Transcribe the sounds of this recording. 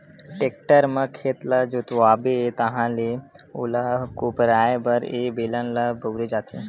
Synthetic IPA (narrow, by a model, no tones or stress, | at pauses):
ʈeːk̚ʈəɾmãkʰeːt̪lad͡ʒoːt̪oaːbeet̪ɐɦãleo̰ːlakoːpɾaːebəɾebeːlənlabəwɾed͡ʒaːt̪ẽ